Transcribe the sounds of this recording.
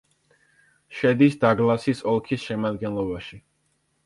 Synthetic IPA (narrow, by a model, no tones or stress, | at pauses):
ʃɛd̪isd̪aɡlˠasisɔlˠkʰisʃɛmad̪ɡɛnlˠɔbaʃi